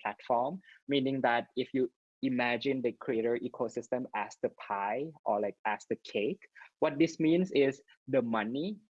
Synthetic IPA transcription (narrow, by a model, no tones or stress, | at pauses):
pʰlætfɔmːĩnɪ̃ŋdæt̚ifju | imæd͡ʒɪ̃ndəkʰɹieɾəʔikʰosɪstə̃mæsdəpʰaɪʔɔlaɪk̚æsdəkʰekwɔt̚dismĩnsɪs | dəmani